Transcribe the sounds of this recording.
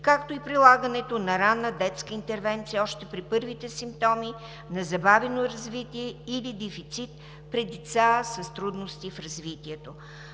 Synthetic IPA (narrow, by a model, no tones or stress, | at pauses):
kakt̪oipɾilˠaɡənɛt̪onɐɾanːəd̪ɛt̪skəint̪ɛɾvɛnt̪sijəɔʃt̪ɛpɾipɤɾvit̪ɛsimp̚t̪ɔmi | nɐzɐbavɛnoɾɐzvit̪iɛilid̪ɛfit̪sit̪̚ | pɾɛd̪ɛt̪sasɐst̪ɾud̪nost̪ifɾɐzvit̪iɛt̪o